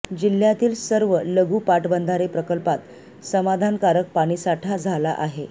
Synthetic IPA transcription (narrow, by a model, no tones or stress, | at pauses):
d͡ʑil̤jat̪iːlsəɾʋələɡuːpaʈbənd̪ʱaɾepɾəkəlpat̪ | səmad̪ʱankaɾək̚paɽ̃iːsaʈʰad͡zʱala̰ʔaɦe